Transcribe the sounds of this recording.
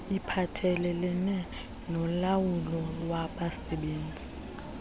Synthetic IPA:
ipʰatʰɛlɛlɛnɛ | nɔlawulɔlwaɓasɛɓeːnd͡zʱi

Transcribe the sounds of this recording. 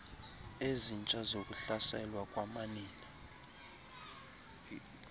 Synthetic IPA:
ezint͡ʃʼazokʼuɬasɛlwakʼwamaniːna

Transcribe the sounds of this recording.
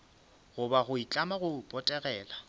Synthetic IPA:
ɣʊbaɣʊit͡ɬʼamaɣʊpʼɔtʼɛɣɛːla

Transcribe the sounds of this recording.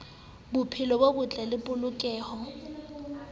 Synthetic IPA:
bʊpʰɪlɔbobʊt͡ɬʼalɪpʼʊlʊkʼɛːhɔ

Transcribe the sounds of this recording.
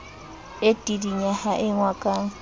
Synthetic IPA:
etʼidiɲahaʔɪŋwakʼaŋ̩

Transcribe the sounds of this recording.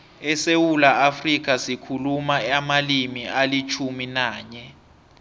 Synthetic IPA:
ɛsewulaafrik̬asikʰulumaamalimialit͡ʃʰuminaːɲɛ

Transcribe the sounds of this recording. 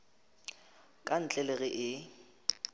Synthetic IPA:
kʼan̩t͡ɬʼɛleɣɪʔɪ

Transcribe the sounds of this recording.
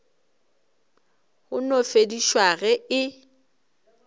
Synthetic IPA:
hʊnofediʃwaɣɛɪ

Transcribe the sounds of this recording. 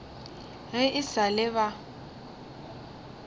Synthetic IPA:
ɣɪʔɪsalɪβa

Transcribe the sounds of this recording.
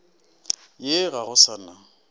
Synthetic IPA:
jeɣaɣʊsana

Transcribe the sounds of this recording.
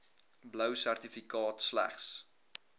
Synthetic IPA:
bləwsærtifikɑːtslæ̰χs

